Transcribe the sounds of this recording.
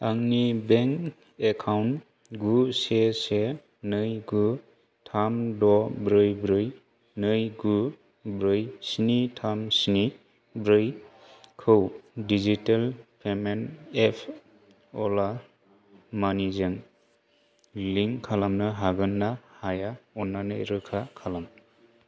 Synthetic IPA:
aŋnibeŋk | ekʰawn | ɡusese | nɯjɡu | tʰamdɔbɾɯjbɾɯj | nɯjɡu | bɾɯjsinitʰamsini | bɾɯj | kʰɯwdizitalpʰemenepʰ | ɔla | manizɯŋ | liŋkʰalamnɯɦaɡɯnːahajaɔnːanɯjɾɯkʰakʰalam

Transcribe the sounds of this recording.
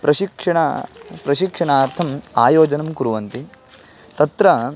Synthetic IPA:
pɾɐʃikʂɐɳɐpɾɐʃikʂɐɳaːɾt̪ʰɐma̰ːjoːd͡ʒɐnɐmkuɾuʋɐnt̪i | t̪ɐt̪ɾɐ

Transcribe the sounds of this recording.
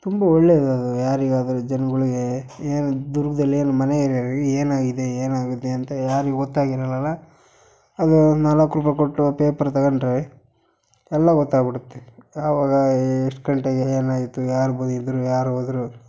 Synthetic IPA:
t̪umbɐɔɭːed̪uɐd̪ujaːɾiɡaːd̪ɐɾud͡ʒɐnɐɡɐɭiɡe | eːnud̪uɾɡɐd̪ɐlːieːnumɐneiɾɾeːnaːɡid̪eeːnaːɡut̪ːeɐnt̪ɐjaːɾiɡeɡɔt̪ːaːɡiɾɐlɐlːɐ | ɐd̪unɐlɐkːɾuːpɐkoʈːupeːpɐɾt̪ɐɣɐɳɖɾɐe | ɛlːɐɡɔt̪ːaːɡbiɽut̪ːeɐʋaːɡɐeʂʈkɐɳʈeɡeeːnaːjit̪ːujaːɾubɐnid̪ɾujaːɾuɐd̪ɾu

